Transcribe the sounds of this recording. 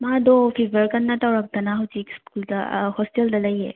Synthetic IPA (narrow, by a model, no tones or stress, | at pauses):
mad̪ɔpʰibʱəɾkɐnːɐtawɾak̚d̪ɐnaɦɐwt͡ʃikskulda̰hɔsteld̪ɐlɐje